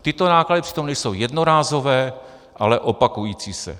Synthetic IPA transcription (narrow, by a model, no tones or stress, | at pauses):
t̪ɪt̪o̞naːkladɪprɪ̥t̪o̞mnɛjsowjɛdnoɾaːzo̞vɛː | ʔalɛʔopakujiːt͡siːsɛ̰